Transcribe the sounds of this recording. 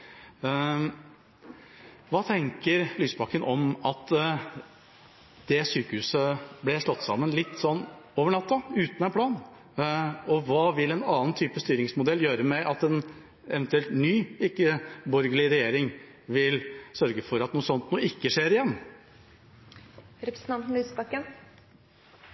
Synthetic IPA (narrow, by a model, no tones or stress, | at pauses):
ʋɑːt̪ʰɛŋkəɾlyːsbɑkənʔɔmɑt̪ | d̪̥ɛsyːkəhʉːsəblɛʂɭɔt̪ːsɑ̰mːənlɪt̪ːsɔnːoːʋəɳɑt̪ːɑʉːt̪nɛnpʰlɑːn | ɔʋɑːʋɪlɛnɑːnt̪ʰyːpəst̪yːɾɪŋsmʊd̪ɛlːjøːɾəmɛʔɑt̪ɛn | ɛʋɛnt̪ʉɛlt̪nyːɪkːəbɔɾɡəɭɪɾɛjeːɾɪŋ | ʋɪlsœɾɡəfɔɾɑt̪nuːəsɔnt̪nuːɪkːəʂeːɾɪjɛnː | ɾɛpɾsn̩ɑnt̪n̩lyːsbɑkən